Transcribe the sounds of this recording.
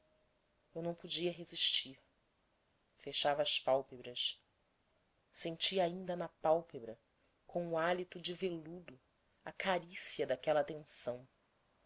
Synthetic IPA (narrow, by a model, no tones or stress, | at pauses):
ewnɐ̃w̃pod͡ʒiɐɦeziʃt͡ʃiɾ | feʃavɐːspawpebɾɐs | sẽnt͡ʃiɐaĩnd̪ɐnɐpawpebɾɐ | kʰõw̃ʊalit̪ʊd͡ʒɪvelud̪ʊ | ɐkaɾisiɐd̪akɛlɐat̪ẽsɐ̃w̃